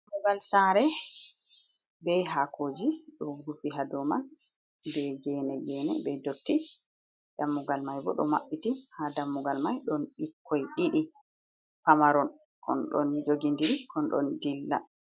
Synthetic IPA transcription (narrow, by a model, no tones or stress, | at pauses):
amːuɡalsaɾɛ | bɛɦakʰoːd͡ʒiɗɔɡufiɦadɔman | bɛɡɛnɛɡɛnɛbɛdotːi | d̥amːuɡalmajbɔ̰ɗɔ̰maɓːitihadamːuɡalmajɗɔnɗikʰːɔjɗiɗi | pamaɾɔn | kʰɔ̰nɗɔ̰nd͡ʒoɡindiɾikɔnɗɔ̰ndilːa̰